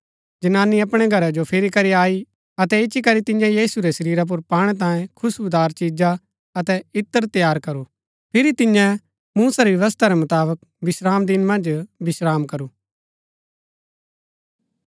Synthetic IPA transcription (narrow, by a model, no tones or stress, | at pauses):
d͡ʒɐnaːniɐpɽ̃eɡʱɐɾad͡ʒopʰɪɾikɐɾiaːi | ɐt̪ɛɪʃʰikɐɾit̪ɪ̃jãjiːsuɾesɐɾiːɾap̬ʊɾpaːɽ̃ɛt̪̬ãːjẽkʰʊsʊd̪aːɾt͡ʃiːd͡ʒa | ɐt̪ɛɪt̪ːəɾt̪jaːɾkɐɾu | pʰɪɾit̪ɪ̃jɛ̃ | muːsaɾiʋjɐʋəst̪ʰaɾɛmʊt̪aːbək̚ | bɪsɾaːmd̪ɪnmɐ̃nd͡ʒbɪsɾaːmkɐɾuː